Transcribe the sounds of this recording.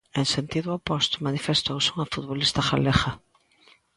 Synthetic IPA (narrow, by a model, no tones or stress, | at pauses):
ẽŋsent̪iðʊapɔst̪ʊmanifest̪owseuŋafut̪βolist̪ɐxa̰lexa